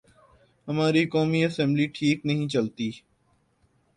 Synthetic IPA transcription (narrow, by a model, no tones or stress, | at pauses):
ɦəmaːɾiːkoːmiːəsɛ̃mbliːʈʰiːknəɦĩːt͡ʃəlt̪iː